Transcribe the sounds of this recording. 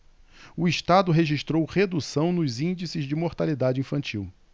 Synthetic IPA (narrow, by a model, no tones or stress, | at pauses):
ʊiʃt̪ad̪ʊɦeʒiʃt̪ɾowχed̪usɐ̃w̃nʊzĩnd͡ʒisɪzd͡ʒɪmoɾt̪alid̪ad͡ʒɪĩfɐ̃nt͡ʃiw